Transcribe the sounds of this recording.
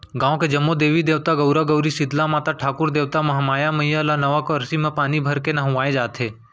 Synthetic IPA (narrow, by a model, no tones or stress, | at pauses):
ɡãːõked͡ʒɐmːod̪eːʋid̪eːʋt̪aɡəʊɾaɡəʊɾisɪd̪lamaːt̪aʈʰaːkʊɾd̪eːʋt̪amɐɦamaːjamɐijalanɐʋakoɐɾsimẽpaːnibʱɐɾkenaɦʊ̃ʋaːed͡ʒaːt̪ʰeː